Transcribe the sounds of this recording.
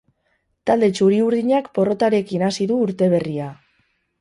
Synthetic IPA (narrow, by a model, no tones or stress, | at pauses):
t̪ald̪e̞t͡ʃuɾiuɾðiɲakpo̞ro̞t̪aɾe̞kinasiðuːɾt̪e̞β̞e̞ria